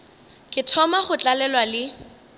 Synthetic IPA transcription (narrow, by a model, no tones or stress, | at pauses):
kʼɪtʰɔmaχʊt͡ɬʼalɛlwalɪ